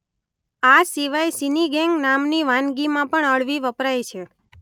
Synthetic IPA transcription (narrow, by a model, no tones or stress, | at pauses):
asiʋajsiniɡɛŋɡnamniʋãnɡimãpəɳəɭʋiʋəpɾajt͡ʃʰe